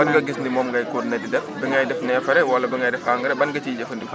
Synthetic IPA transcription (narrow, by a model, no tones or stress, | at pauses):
ɐnɡɐɡisndimɔːmɡɐjkuɾnɐdidɛbiŋɡɐjdɛfnɛːfɐɾɛwɐlːɐbiŋɡɐjdɛfaːŋɡɐɾɛbɐnɡɐt͡ʃiːd͡ʒɐfɐndif